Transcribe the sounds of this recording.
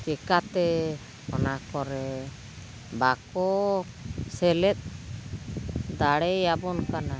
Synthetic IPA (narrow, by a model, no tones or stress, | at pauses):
kɛkat̪ɛ | ɔ̰nakɔɾɛ | bakɔ | sɛlɛt̪̚ˀ | d̪aɽɛjabɔnkana